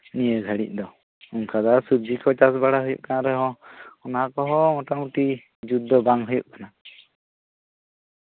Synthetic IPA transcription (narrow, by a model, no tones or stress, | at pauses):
nijəɡʱəɽḭc̚ˀd̪ɔ | uŋkʰad̪asub̚d͡ʒikɔt͡ʃasbaɽaɦujṵʔ̚kanaɾɛɦɔ̃ɔnaakɔɦɔmɔʈamuʈi | d͡ʒud̪̚ːɔbaŋɦujuʔ̚kana